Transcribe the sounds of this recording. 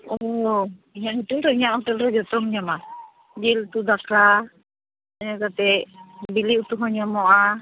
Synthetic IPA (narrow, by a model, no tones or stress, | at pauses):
ɔ | iɲahitumɾɔiɲaʔhɦɔʈɛlɾɛd͡ʒɔt̪ɔmɲama | d͡ʒilt̪ud̪akʰa | aɲakat̪ɛbiliʔut̪uɦɔɲamɔʔa